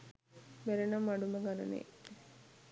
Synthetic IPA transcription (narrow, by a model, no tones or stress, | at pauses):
meɾenɐmːɐɖumɐɡɐnɐnḛ